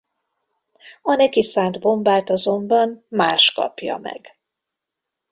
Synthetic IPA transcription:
ɒnɛkisaːnd̪bo̞mbaːt̪ɒzo̞mbɒnmaːʃkɒ̰pjɒ̰mɛ̰ɡ̥

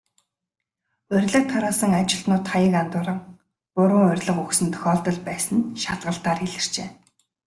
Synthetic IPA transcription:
ʊrʲɮə̆k̚t̪ʰɔɾɔːsə̆ŋat͡ɕɪ̆ɬt̪nʊːt̪χajə̆kant̪ʊːɾə̆ŋ | pʊɾʊːŋɵ̟rʲɮə̆quksɘ̆nt̪ʰœ̥xʲɔːɮt̪ɞ̆ɮpæːsə̆nʃat̪ɢə̆ɬt̪aːriɮɘ̆r̥t͡ɕeː

